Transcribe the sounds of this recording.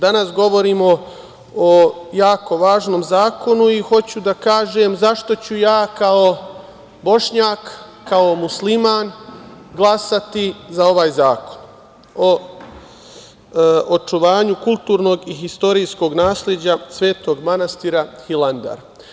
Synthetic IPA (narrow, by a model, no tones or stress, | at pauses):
d̪anasɡo̞ʋo̞ɾiːmo | ojaːko̞ʋaːʒno̞ːmzaːko̞nuixo̞t͡ɕud̪akaːʒe̞ːmzaʃt̪o̞t͡ɕujaːkao̞ | bo̞ʃɲaːkː | ao̞muslimaːn | ɡlˠasat̪izao̞ʋaːjzaːko̞̥n | o | ot͡ʃuʋaːɲukulˠt̪uːɾno̞ɡiɦist̪o̞ɾijsko̞ɡnaːslʲjed͡ʑasʋe̞ːt̪o̞ːɡmanast̪iːɾahiland̪a̰ɾ